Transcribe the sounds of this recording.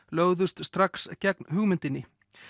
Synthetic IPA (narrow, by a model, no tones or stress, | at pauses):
lœːɣðʏst̪st̪ɾakscɛk̚nɦʏɣmɪnt̪ɪnːɪ